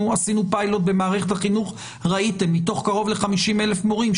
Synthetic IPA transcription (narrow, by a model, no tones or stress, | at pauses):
asinupajlo̞t̚be̞maːʁeχethaχinuχ | ʁaite̞mːito̞χkaʁo̞vle̞χamiʃime̞le̞fmo̞ʁim